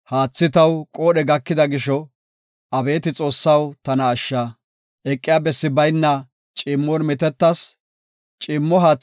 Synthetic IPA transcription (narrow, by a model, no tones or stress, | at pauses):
haːt͡sːɪt̪ɐwkʼoːɗɛɡɐkːɪd̪ɐɡɪʃɔ | ʔɐbe̞ːt̪ɪt͡sʼo̞ːsːɐwt̪ɐnɐːʃːaː | ʔɛkʼːɪjaːbɛsːɪbɐjnːɐ | t͡ʃʼɪmːonmɪt̪ɛt̪ːɐs | t͡ʃʼɪmːɔɦaː